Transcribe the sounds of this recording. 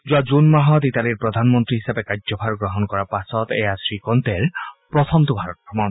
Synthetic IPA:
zuazunmaɦɔd̪it̪aliɹpɹɔd̪ʱanmɔnt̪ɾiɦisabekazɔbʰʱaɹɡɹɔɦɔnkɔɹapasɔt̪ḛjasɹikɔnt̪eɹpɹɔt̪ʰɔmt̪ubʱaɹɔt̪̚kʰɔmɔn

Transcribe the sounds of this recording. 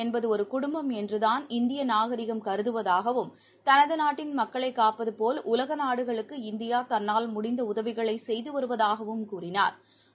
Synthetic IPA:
ɛnbɐðɯɔɾɯkʊɽʊmbɐmɛndrɯðaːnɪnd̪ɪjɐnaːɣɐɾɪɣɐmkɐɾɯðɯʋɐðaːɣɐʋɯm | t̪ɐnɐðɯnaːʈːɪnmɐkːɐɭɐɪkːaːpɐðɯpoːlʔʊlɐɣɐnaːɽɯɣɐɭɯkːɯɪnd̪ɪjaːt̪ɐnːaːlmʊɽɪnd̪ɐʊðɐʋɪɣɐɭɐɪsɛjðɯʋɐɾɯʋɐðaːɣɐʋɯmkuːrɪna̰ːɾ

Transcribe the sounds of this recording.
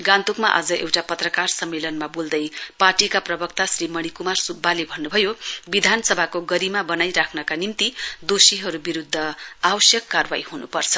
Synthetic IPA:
ɡãnt̪ukmaʔa̰d͡zʌʔewʈapʌt̪rʌkarsʌmːelʌnmabuld̪ʌjparʈikaprʌbʌk̚t̪asrimʌɽ̃ikumarsud̪̚balebʱʌnːubʱʌjobid̪ʱansʌbʱakoɡʌɾimabʌnajɾakʰnʌkanimt̪id̪osiɦʌɾubiɾud̪ʱːʌawʌsjʌkːarbajhunupʌrt͡sʰʌ̥

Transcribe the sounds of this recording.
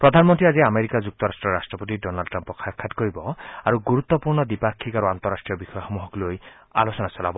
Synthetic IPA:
pɾɔd̪ʱanmɔnt̪ɾiad͡ʒiameɾikad͡ʒuk̚t̪ɔɾasʈɾɔɾasʈɾɔpot̪̬iɖɔnalɖʈɾampɔkʰakʰːat̪koɾibɔaɾuɡuɾut̪ːɔpuɾnɔd̪ipakʰːikaɾuant̪ɔɾasʈɾijɔbixɔjɔxɔmuɦɔkloj | a̰losɔnasɔlabɔ

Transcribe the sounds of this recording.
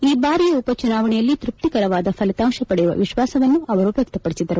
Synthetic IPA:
iːbaːɾijɐupɐt͡ʃunaːʋɐɳɛjɐlːit̪ɾup̚t̪ikɐɾɐʋaːd̪ɐpʰɐlit̪aːŋʃɐpɐɽɛjuʋɐ̰ʋiʃʋaːsɐʋɐnːuɐʋɐɾupjɐk̚t̪ɐpɐɽisid̪ɐɾu

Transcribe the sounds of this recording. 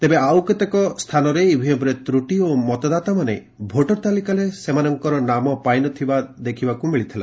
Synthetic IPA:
t̪ebeawket̪ekɔst̪ʰanɔɾeibʱiɔbɾet̪ɾuʈiomɔt̪ɔd̪at̪amane | bʱoʈɔɾt̪alikalesemanɔŋkɔɾɔnamɔpajnɔt̪ʰibad̪ekʰibakumiɭit̪ʰila̰

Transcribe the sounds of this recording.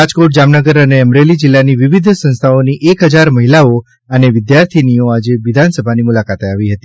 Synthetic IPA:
ad͡ʒkoʈ̚d͡ʒamnəɡəɾəneəmɾelid͡ʒɪlːaniʋɪʋid̪ʱsə̃nst̪ʰaoniʔekɦəd͡ʒaɾməɦilao | əneʋɪd̪jaɾt̪ʰinioad͡ʒeʋɪd̪ʱansəbʱanimulakat̪eaʋiɦət̪i

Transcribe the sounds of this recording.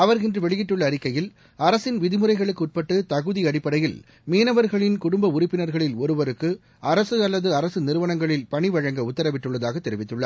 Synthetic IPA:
ɐʋɐɾɪndrɯʋɛɭɪjɪʈːɯɭːɐːɾɪkːɐjɪl | ɐɾɐsɪnʋɪðɪmɯɾɐɪɣɐɭɯkːɯʊʈ̚pɐʈːɯt̪ɐɣɯðiɐɽɪpːɐɽɐjɪl | miːnɐʋɐɾɣɐɭɪnkʊɽʊmbɐʊɾɪpːɪnɐɾɣɐɭɪlɔɾɯʋɐɾɯkːɯ | ɐɾɐsɯɐlːɐðɯɐɾɐsɯnɪɾɯʋɐnɐŋɡɐɭɪlpɐɳɪʋɐɻɐŋɡɐʊt̪ːɐɾɐʋɪʈːɯɭːɐðaːɣɐt̪ːɛɾɪʋɪt̪ːɯɭːɐɾ

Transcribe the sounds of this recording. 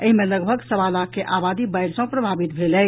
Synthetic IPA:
əɦimẽləɡbʱəɡsɐʋaːlakeʔaːbaːd̪ibaɪɾsɐ̃pɾɐbʱaːbɪt̪bʱelɛː

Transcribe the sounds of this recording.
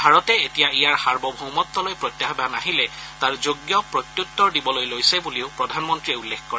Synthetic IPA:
bʱaɹɔtɛetijaijaɹxaɹbɔbʱɔwmɔt̪ːɔlojpɹɔt̪jaɦɔbanaɦilɛtaɹzoɡjɔpɹɔt̪jutːɔɹdibɔlojlojsɛbuliʊpɹɔdʱanmɔntɹiɛulːekkɔɹɛ

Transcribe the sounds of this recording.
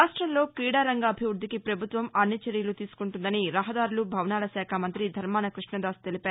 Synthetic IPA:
aːʂʈɾɐmlo̞ːkiːɽaːɾɐŋɡaːbʱiʋɾud̪ʱikipɾɐbʱut̪ʋɐmɐnːit͡ʃeɾijɐlut̪iːsu̥kuɳʈund̪ɐniɾɐɦɐd̪aːɾulubʱɐʋnaːlɐʃɛːkʰɐmɐnt̪ɾid̪ʱɐɾmaːnɐkɾiʂɳɐd̪aːst̪e̞lipaː

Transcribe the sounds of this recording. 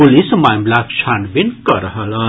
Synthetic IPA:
ulismajmblakt͡ʃʰanbinkʌɾəɦəlʌ

